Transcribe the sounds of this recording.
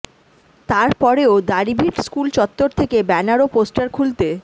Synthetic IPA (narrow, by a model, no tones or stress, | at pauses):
t̪aɾpɔɾeod̪aɾibʱiʈskult͡ɕɔt̪ːoɾt̪ʰekebɛnaɾoposʈaɾkʰult̪e